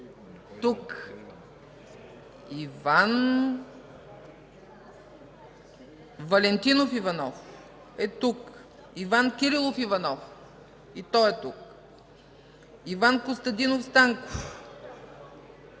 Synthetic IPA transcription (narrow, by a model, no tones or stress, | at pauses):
t̪uk | ivan | vɐlɛnt̪inofivɐnɔf | ɛt̪uk | ivankʲiɾilˠofivɐnɔf | it̪ɔɛt̪uk̚ | ivankost̪ɐd̪inofst̪aŋkof